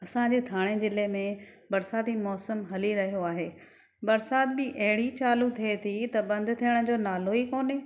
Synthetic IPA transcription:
ɐsãɲd͡ʑeːt̪ʰaːɽ̃ed͡ʑɪlemẽ | bɐɾsaːt̪imɔːsəmɦɐliɾɐɦijoaːɦeː | bɐɾsaːd̪̚bɪʔɐɦɪɽit͡ɕaːlut̪ʰiet̪ʰit̪ɐbɐ̃nd̪ʱt̪ʰijəɽ̃ʊ̆d͡ʑoːnaːloɦikoːne

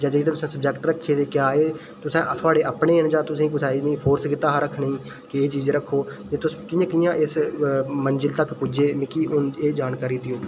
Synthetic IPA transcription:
d͡ʒaːd͡ʒɡet̪eːt̪ʊsẽːsəb̚d͡ʒɛːkʈɾəkʰːeːd̪eːkɪjaːeː | t̪ʊsãːt̪ʰʊaːɽeːʔaːpɳeːnd͡ʒaːt̪ʊsĩːk̬ʊsaːiːnĩːpʰoːɾskɪt̪aːɦaɾəkʰːnĩː | kɪeːt͡ʃiːzɾəkʰːoːd͡ʒeːt̪ʊskɪːãːkɪjãːʔɪsmənd͡ʒɪlt̪əkpʊd͡ʒeːmɪkiːʔʊneːd͡ʒaːnkaːɾiːd̪ɪoː

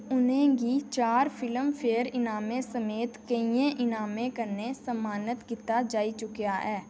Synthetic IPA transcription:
ʊnɦẽɡit͡ʃaːɾfʰɪləmfpʰeːəɾɪnaːmẽsəmeːt̪kəiẽʔɪnaːmẽkəɾnesəmaːnət̪kɪt̪ad͡ʒaːit͡ʃʊkijaɦɛː

